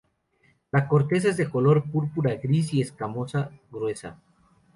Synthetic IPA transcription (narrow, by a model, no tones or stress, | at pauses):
lako̞ɾt̪e̞s̬aezðeko̞lo̞ɾpuɾpuɾaɡɾis̬ie̞skamo̞saɣɾwe̞sa̰